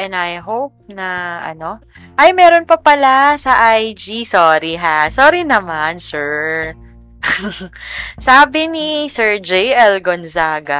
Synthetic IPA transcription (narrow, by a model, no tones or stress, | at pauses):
ʔɛ̃nd̪ɐjɦowp̚nɐʔɐ̰no̞ | ʔɐjmɛːɾonpɐpɐlasɐʔajd͡ʒisoːɾiɦasoːɾinɐmansɛɹ | saːbɪnisɛɹd͡ʒejʔɛlɡonzaːɡɐ